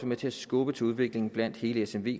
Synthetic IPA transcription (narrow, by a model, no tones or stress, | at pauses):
əmet͡sʰe̝æsɡ̥ɔːb̥ət͡sʰe̝uð̞ˠʋe̝ɡ̥le̝ŋn̩b̥læn̰d̥he̝ːləesemʋe̝̰ː